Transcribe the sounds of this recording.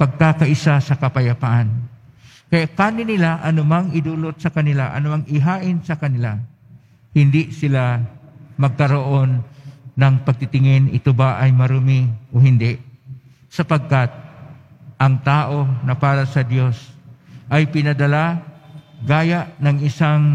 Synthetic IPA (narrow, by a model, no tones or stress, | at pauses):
pɐɡ̚kakɐʔɪsasɐkɐpɐjɐpaʔan | kɐjaʔkanɪnɪlaʔɐnʊmaŋɪd̪uːlot̪̚sɐkɐnɪlaʔɐ̰nʊmaŋɪɦaːʔɪnsɐkɐnɪla | hɪnd̪ɪsɪla | mɐɡ̚kɐɾoʔo̞nːɐŋpɐɡ̚t̪ɪt̪ɪŋɛnʔɪ̰t̪obaʔɐjmɐɾʊmiʔohɪnd̪ɛʔ | sɐpɐɡ̚kat̪̚ | ʔɐŋt̪aːʔo̞nɐpaːɾasɐd̪jo̞sʔɐjpɪnɐd̪ɐla | ɡaːjaʔnɐŋɪsaŋ